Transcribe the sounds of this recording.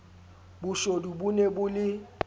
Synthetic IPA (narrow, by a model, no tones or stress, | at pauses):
bʊʃodubunebʊlɪ